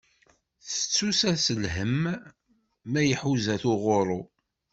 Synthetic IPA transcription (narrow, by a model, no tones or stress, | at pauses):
θə̥t͡sːusæsəlɦəm | æjəħuzæθʊʁoɾˤo